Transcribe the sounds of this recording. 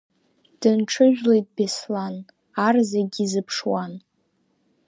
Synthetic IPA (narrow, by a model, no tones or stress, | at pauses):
d̥ɨnʈ͡ʂʰɨʒᶣlejt̚ʼbeslan | arzaɡʲizɨpʰʂwan